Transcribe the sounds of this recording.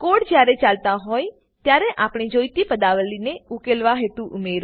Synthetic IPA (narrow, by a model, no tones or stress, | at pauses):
koɽd͡ʒjaɾet͡ʃalt̪aɦoj | t̪jaɾeʔapɳ̃id͡ʒojt̪ipəd̪aʋəlineukelʋaɦet̪ũʔumeɾ